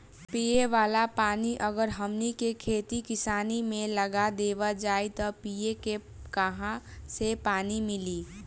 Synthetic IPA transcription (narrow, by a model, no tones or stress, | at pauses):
pijeʋaːlapaːniʔəɡəɾɦəmnikekʰeːt̪ikɪsaːnimẽləɡad̪eːʋad͡ʒaːit̪ɔpieke | kəɦãsepaːnimɪliː